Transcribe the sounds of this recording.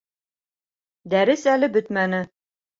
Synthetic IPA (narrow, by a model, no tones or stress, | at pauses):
d̪æɾɘsælɘbɵt̪mænɘ